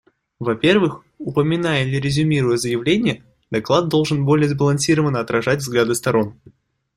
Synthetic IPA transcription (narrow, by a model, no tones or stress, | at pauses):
vɐpʲe̞rvɨx | ʊpəmʲɪnajəlʲɪɾʲɪzʲʊmʲiɾʊjəzəjɪvlʲenʲɪjə | d̪ɐklˠad̪̚dːo̞lˠʐɨnbo̞lʲɪjəzbəlˠɐnsʲiɾəvənːəɐt̪ɾɐʐatʲvzɡlʲad̪ɨst̪ɐɾo̞n